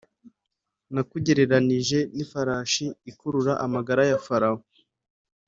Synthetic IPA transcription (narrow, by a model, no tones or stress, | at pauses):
nakuɟe̞ɾe̞ɾaniʒe̞nifaɾaːʃiːkuɾuɾaʔamaɡaɾajafaɾao